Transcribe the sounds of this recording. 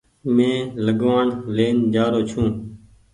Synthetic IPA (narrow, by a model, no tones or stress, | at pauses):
mẽːləɠʋaːɳleːnd͡ʒaːɾoːt͡ʃʰũː